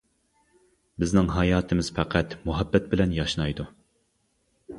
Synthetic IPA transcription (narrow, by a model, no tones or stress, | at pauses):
bɪznɪŋɦɑjɑːt̪ʰɪmɪz̥fæqʰæt̪muɦɛbːɛt̪̚bɪlɛnjɑʃnɑjd̪u